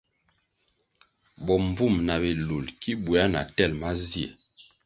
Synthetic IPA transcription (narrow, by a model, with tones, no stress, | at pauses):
bɔ˨mb͡vu˦˨mna˨be˨lu˨lki˦bu˨a˦na̰˨tɛ˦˨lma˦zi˦ɛ̰˨